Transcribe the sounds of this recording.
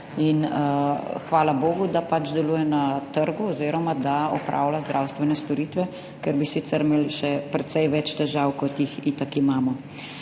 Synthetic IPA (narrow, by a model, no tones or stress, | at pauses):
in | xʋaːlaboːɡud̪apad͡ʒd̪ɛluːjɛnat̪əɾɡuɔziːɾɔmad̪aɔpɾa̰ːwlazd̪ɾaːwst̪ʋɛnɛst̪ɔɾiːt̪ʋɛ | kɛɾbisit̪sɛɾmeːlʃɛpɾɛt̪sɛjʋɛt͡ʃt̪ɛʒaːwkɔt̪jixiːt̪akimaːmɔ